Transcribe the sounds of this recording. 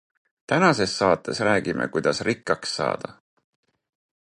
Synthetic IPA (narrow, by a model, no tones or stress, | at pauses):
t̪ænɑse̞sːɑːt̪ːˑe̞sræːɡ̥imʔḛkujd̪̥ɑsrikːˑɑksːɑ̰ːd̪̥ɑ̰